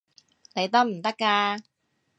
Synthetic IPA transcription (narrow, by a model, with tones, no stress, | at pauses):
ne˨˧jt̪ɐ˥m̩˨˩t̪ɐ˥kːaː˧